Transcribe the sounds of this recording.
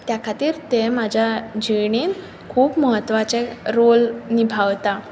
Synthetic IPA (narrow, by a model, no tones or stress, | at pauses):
t̪jakʰat̪iːɾt̪emad͡ʑʱjad͡ʑiɳiːn | kʰuːpməɦət̪ːʋat͡seɾolnibʱaʋt̪a